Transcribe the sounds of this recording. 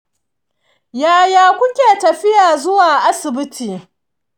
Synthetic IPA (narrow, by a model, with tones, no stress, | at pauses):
jaː˦jaː˨kʷʊ˦kʲeː˨tɐ˨ɸɪ˦jaː˨zʊ˦waː˨ʔa˦sɪ˨bɪ˦tʰiː˨